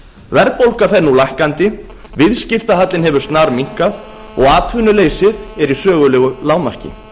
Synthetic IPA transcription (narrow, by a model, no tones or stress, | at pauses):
vɛɾpowlkafɛnːulajhkant̪ɪ | vɪðscɪft̪aɦat̪lɪnɦɛvʏɾ̥st̪naɾmiŋ̥kað | ɔɣaːt̪ʰvʏnːʏleːjsɪðɛɾisœːɣʏlɛːɣʏlaːwmar̥cɪ̰